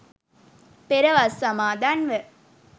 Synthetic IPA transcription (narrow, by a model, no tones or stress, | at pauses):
peɾəʋasːamaːd̪anʋə